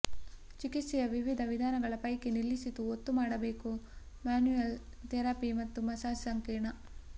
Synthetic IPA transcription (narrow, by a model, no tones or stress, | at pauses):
t͡ʃikit̪sijɐʋiʋid̪ʱɐʋid̪ʱaːnɐɡɐɭɐpɐjkenilːisit̪uot̪ːumaːɽɐbeːku | maːnujel | t̪ɛɾaːpimɐt̪ːumɐsaːsɐŋkeːɳɐ